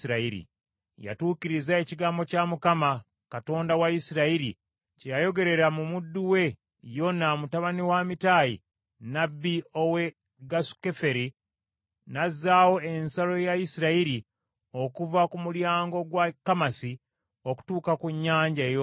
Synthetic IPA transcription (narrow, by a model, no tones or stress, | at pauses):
iɾaiɾḭ | ja̰tuːkiɾizae̞ciɡaːmbo̞camukama | kato̞ːndawaisiɾaiɾi | cejajo̞ɡe̞ɾe̞ɾamumudːuwe̞ | jo̞namutaβaniwamitaːjḭ | nabːio̞we̞ | ɡasu̥ke̞fe̞ɾi | nazːaːwo̞e̞nsalo̞jaisiɾaiɾi | o̞kuvakumuljaːŋɡo̞ɡwakːamasi | o̞ku̥tuːkakuɲːaːɲɟajo